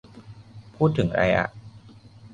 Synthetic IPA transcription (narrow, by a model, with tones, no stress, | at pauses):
pʰuː˥˩t̪ʰːɯ˩˦ŋɾa̰˧jʔa̰˧˩ʔ